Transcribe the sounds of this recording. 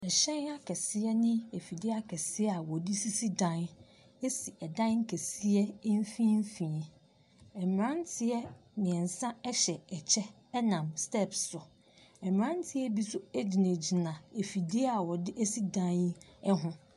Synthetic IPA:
ɛ˨ɕɛ̃˦na˦kʰɛ˨sɪ˦ɛ˦nɪ̃˦e˨fi˨di˦a˦kʰɛ˨sɪ˦ɛ˦a˨wɔ˨dɪ˦si˦si˦dã˦n | e˦si˨ʔɛ˨dã˦ŋ̩˦kʰɛ˨si˦ɛ˦n˦fĩ˦m˦fĩ˨ | ɛ˨m˨ɾã˦n˦tʰɪ˨˦ɛ˦nɪ̃˨ɛ̃˨n˨sã˦ɛ˦ɕɛ˨ɛ˨t͡ɕʰɛ˦ | nã˨mstɛ˦˨psʊ˨ | ɛ˨m˨ɾã˦n˦tʰɪ˦ɛ˦bi˦sʊ˦e˦d͡ʑi˨nẽ˨d͡ʑi˨nã˨e˨fi˨di˦ɛ˦a˨wɔ˨dɪ˦e˦si˦dã˦n˦ɛ˦ɦʊ̃˦

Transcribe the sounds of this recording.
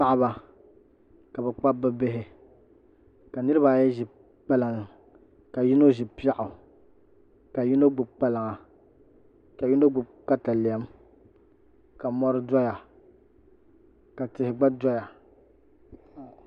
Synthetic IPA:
a˦ʔa˦ba˨ | ka˨bɛ˨k͡pa˦bɛ˦bɪ˦ɦɪ˦ | ka˨nɨ˦ɾɨ˦βa˨jɛ˦ʒɪ˨ | k͡pa˦la˨ŋ˨ | ka˨ji˦no˦ʒɪ˨pi˦a˦˨ʔʊ˨ | ka˨ji˦no˦ɡ͡bʊ˨bk͡pa˦la˨ŋa˨ | ka˨ji˦no˦ɡ͡bʊ˨bka˦ta˨li˨a˦m | ka˨mɔ˦ɾɨ˦dɔ˦ja˨ | ka˨tɪ˨hɪ˨ɡ͡ba˦dɔ˦ja˨

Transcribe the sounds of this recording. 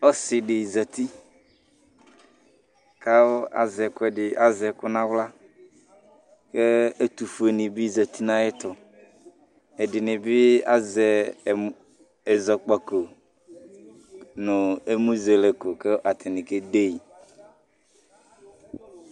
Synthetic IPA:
ɔ˦sɪ˨ɖɪ˨za˨t̪i˦ | ka˦wʊ˦a̰˨zɛ˨kʊ˦ɛ˨dɪ˨ʔa˨zɛ˨kʊ˦nã˦wla˦ | ke˦e˦t̪u˨fu˨e˨nɪ̃˨bɪ˦za˨t̪i˦nã˦jɛ˦t̪ɔ˨ | ɛ˨dɪ˨nɪ̃˨bɪ˦a̰˦zɛ˨ | ɛ˨zɔ˨k͡pa˨ko˨ | nʊ˨e˦mu˦ze˨lɛ˨ko˨kɛ˦ʔa˨t̪ɪ˨nɪ̃˨ke˦d̪e˦i˨

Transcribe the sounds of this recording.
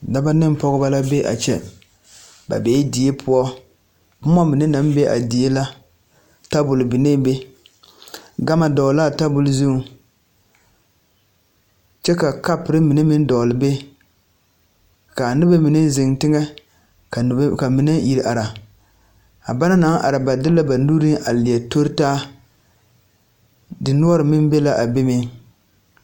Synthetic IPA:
da˦ba˦nɪ˦m˦pɔ˦ɣʊ˦ba˦la˦be˦ʔa̰˨t͡ʃɛ̰˦ | ba̰˨beː˨˦di˨˦e˦pʰʊ˦ɔ˦ | b̩˦mɔ˦mɨ˨nɪ˦na˨˦m˦bɛ˦ʔa̰˨di˨e˦la˦ | ta˦bʊ˨lbi˨ne˦be˦ | ɡa˦ma˨dɔ˨la˦˨ta˦bʊ˨lzu˦˨˦ | t͡ʃɛ˦ka˨ka˦pɪ˨ɾɪ˦mi˨nɪ˦mi˦n˦dɔ˨lɨ˨be˦ | ka˨nɨ˦ba˦mi˨nɛ˦zɪ˨ŋtɪ˦ŋɛ˦ | kka˨mi˨nɛ˦ji˨ɾʔa˨ɾa˨ | a˨ba˦na˦na˨˦ŋ˦ʔa̰˨ɾa˨ba˨dɪ˦lːa˦ba˨nu˦ɾi˦ŋʔa˨lɪ˨ɛ˨to˦ɾtaː˦ | dɨ˨nu˦ɔ˦ɾɨ˨mɪ˦nbe˦la˦ʔa˨be˦me˦

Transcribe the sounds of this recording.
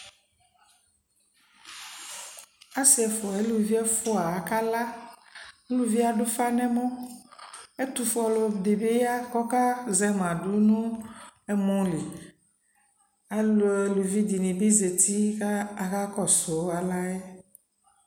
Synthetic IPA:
a˦si˨ɛ˨fo˨e˨˦lu˨vi˦ɛ˦fo˦a˨ka˦la˦ | e˦lu˦vi˦a˨ɖʊ˦fa˦nɛ̃˦mõ˦ | e˦t̪u˨fʊ˦ɔ˨lo˨de˨be˦ja˦kɔ˦ka˦zɛ˦m˨ã˨ɖo˦nũ˦ɛ˦mɔ̃˦li˨ | a˨lo˨e˨lu˨vi˦d̪i˨nĩ˨bi˦ze˨t̪i˦ka˦a˨ɣa˦kɔ˦so˨˦a˨la˦ɛ˦

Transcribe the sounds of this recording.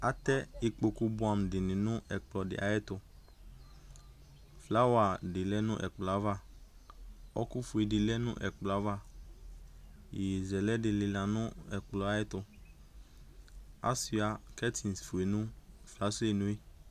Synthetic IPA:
a˨t̪ɛ˦ɪ˨k͡po˨ku˦bʊ˦a˨m˨dɪ˨nɪ̃˨nʊ̃˦ʔɛ˨k͡plɔ˨dɪ̰˨ʔa̰˨jɛ˦t̪ʊ˨ | fla˦wa˨dɪ˨lɛ˦nʊ̰̃˦ʔɛ̰˨k͡plɔ˨a˦va˦ | ɔ̰˦ku˦fu˨e˨dɪ˨lɛ˦nʊ̰̃˦ʔɛ̰˨k͡plɔ˨a˦va˦ | jzɛ˨lɛ˦dɪ˨lɪ˨la˨nʊ̃˦ɛ˨k͡plɔ˨a˨˦jɛ˦t̪ʊ˨ | a̰˦si˨a˨kɛ˦t̪ʰi˨n˨sfu˨e˨nʊ̃˦fla˦se˨nʊ̃˦e˦

